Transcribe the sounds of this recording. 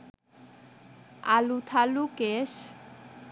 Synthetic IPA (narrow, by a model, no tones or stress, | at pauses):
a̰lut̪ʰalukeʃ